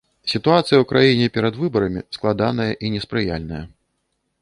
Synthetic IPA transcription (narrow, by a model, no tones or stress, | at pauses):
sʲit̪uat̪sɨjɐwkɾʔajinʲɛpʲɛɾɐd̪vɨbɐɾɐmʲisklˠad̪anɐjɐʔinʲɛspɾɨja̰lʲnɐjɐ